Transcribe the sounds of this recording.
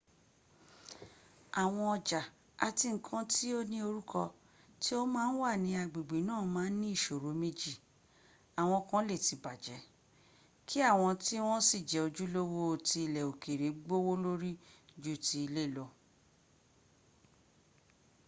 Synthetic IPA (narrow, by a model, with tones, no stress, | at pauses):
a˨w̃ɔ̃˧ɔ˧d͡ʒa˨ | a˧ti˧ŋ̩˦kʰã˦ti˦o˦nĩ˦o˧ɾu˦kʰɔ˧ | ti˦o˦mãː˦n̩˦wa˦˨nĩ˨˧˦a˨ɡ͡be˨ɡ͡be˨˦nãː˦˨mãː˨˦n̩˦nĩ˦i˦˨ʃo˨ɾo˨˦me˦d͡ʒi˦˨ | a˨w̃ɔ̃˧kã˦le˦˨ti˨˦ba˨d͡ʒɛ˨˦ | kʰi˦a˦˨w̃ɔ̃˧ti˦w̃ɔ̃˦si˦˨d͡ʒɛ˨o˧d͡ʒu˦lo˦wo˦˨ti˧i˧˨lɛ˨o˨ke˨ɾe˨˦ɡ͡bo˦wo˦lo˦ɾi˦d͡ʒu˦˨ti˧i˧le˦˨lɔ˧